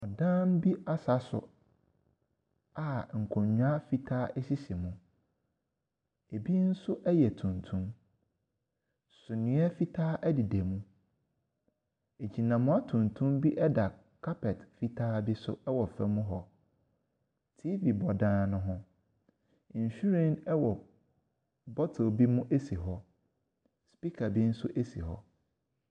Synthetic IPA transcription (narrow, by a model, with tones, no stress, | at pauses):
ɔ˨dãː˦m˦bi˦ʔa˦sa˦sʊ̰˨ | a˨ŋ̩˨kʰɔ̃˨ɲɲᶣ˦a˦fi˦tʰaː˦ʔɛ˦si˦si˨mũ˦ | e˨bi˦n̩˦sʊ˦ʔɛ˦jɛ˨tʰũ˨ntʰũ˦m | sʊ˨nɪ̃˨˦ɛ˦fi˦tʰaː˦ʔɛ˦dɪ˨de˨mũ˦ | e˨d͡ʑi˨nã˨mʊ̃˦a˦tʰũ˨ntʰũ˦mbi˦ʔɛ˦da˨ | kʰa˦pʰɛ˨tfi˦tʰaː˦bi˦sʊ̰˦ɛ˦wɔ˨fɛ˨mũ˦ɦɔ˨ | tʰi˦vi˨bɔ˨dãː˦˨nʊ̃˦ɦʊ̃˦˨ | ɲ̩˨ɕᶣu˦ɾɛ̃˨nɛ˦wɔ˨ | bɔ˦tʰo˨bi˦mũ˦ʔe˦si˨ɦɔ˦ | spi˦kʰa˨bi˦n̩˦sʊ˦ʔe˦sḭ˨ɦɔ̰˨